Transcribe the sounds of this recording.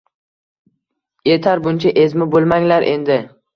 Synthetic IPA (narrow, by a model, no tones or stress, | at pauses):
jet̪ʰaɾbʊnt͡ʃʰaʔezmɪbolˠmaŋlaɾʔe̞nd̪ɪ